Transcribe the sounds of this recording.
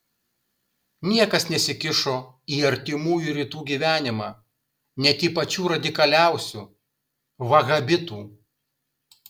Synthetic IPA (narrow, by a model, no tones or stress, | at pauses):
nʲiɛkɐsnʲɛsʲɪkʲɪʃoː | iːɐɾʲt̪ʲɪmuːjuɾʲiːt̪uːɡʲiːʋʲæːnʲɪmɑː | nʲɛt̪ʲiːpɐt͡ʃʲuːɾɐd̪ʲɪkɐlʲæˑʊsʲuː | ʋɐɣɐbʲɪt̪uː